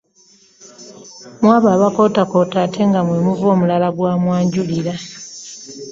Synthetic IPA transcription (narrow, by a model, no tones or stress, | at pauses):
mwaːβaːβako̞ːtako̞ːtaːtʰe̞ŋɡamwemuvo̞ːmulalaɡwaːmwaːɲɟuliɾa